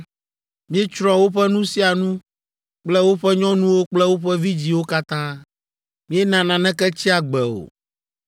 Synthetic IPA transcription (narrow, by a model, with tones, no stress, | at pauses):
mĩ˦ɛ˦t͡ʃɾɔ̃˨wo˦ɸɛ˦nũ˦si˦a˨nũ˦ | k͡plɛ˦wo˦ɸɛ˦ɲɔ̃˦nũ˦wo˦k͡plɛ˦wo˦ɸɛ˦vi˦d͡ʑi˨wo˦ka˦t̪ã˦ | mĩ˦ɛ˦nã˨nã˨nɛ̃˦kɛ˦t͡ɕi˦a˨ɡ͡bɛ˨o̰˨